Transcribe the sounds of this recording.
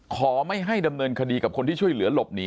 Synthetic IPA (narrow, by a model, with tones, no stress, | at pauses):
kʰɔː˩˦ma˥˩jɦa˥˩jda˧mnɤː˧nkʰa˧diː˧ka˨˩p̚kʰo˧nt̪ʰiː˥˩t͡ɕʰu˥˩jlɯ˩˦ɐlo˨˩p̚niː˦